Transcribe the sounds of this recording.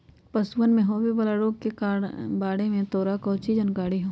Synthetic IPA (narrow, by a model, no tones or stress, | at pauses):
pɐsuʋənmẽɦoːʋebɐlaɾoːɡ̚kekbaːɽemẽt̪oːɾakɔːt͡ʃid͡ʒɐnkaːɽiɦõː